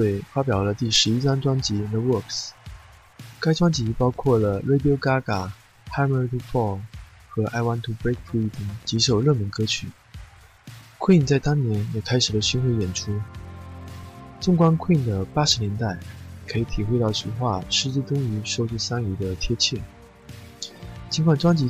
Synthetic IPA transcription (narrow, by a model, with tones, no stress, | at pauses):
twe˥˩ɪfa˥p̬jɑ˨˩ʊlə˦t̪i˥˩ʂɻ̩˧˥i˥sa˥ŋʈ͡ʂwɑ˥ŋt͡ɕi˧˥˧nɛ˥˩wɔ˥˩ks | ka˥ɪʈ͡ʂwɑ˥ŋt͡ɕi˧˥pɑ˥ʊkʰwɔ˥˩lə˩le˥ɪp̬jo˥ʊka˥ka˨˩ | ha˥mə˧˥t̪i˥fɔ˥˩xɤ˧˥ʔa̰˥ɪwa˥nt̪ʰu˥pe˥kfi˥t̪i˨˩ŋt͡ɕi˧˥ʂo˨˩ʊɻɤ˥˩mi˧˥ŋkɤ˥t͡ɕʰy˨˩˦ | kʰwi˥˩ŋt͡sa˥˩ɪt̪ɑ˥ŋnjɛ˧˥njɛ˨˩kʰa˥ɪʂɻ̩˨˩lə˦ɕy˧˥nxwe˧˥ɪjɛ˨˩nʈ͡ʂʰu˥ | ʈ͡ʂʊ˥˩ŋkwa˥nkʰwi˥˩nd̪ə˩pa˥ʂɻ̩˧˥njɛ˧˥nt̪a˥˩ɪkʰɤ˧˥i˧˩t̪ʰi˨˩xwe˥ɪɑ˥˩ʊɕi˧˥xwa˥˩ʂɻ̩˥˧t͡ɕi˥˧t̪ʊ˥ŋy˧˥ʂo˥ʊt͡ɕi˥˩sa˥ŋy˧˥d̪ə˧t̪ʰjɛ˥t͡ɕʰjɛ˥˩ | t͡ɕʰi˧˥ŋkʰwa˨˩nʈ͡ʂwɑ˥ŋt͡ɕi˧˥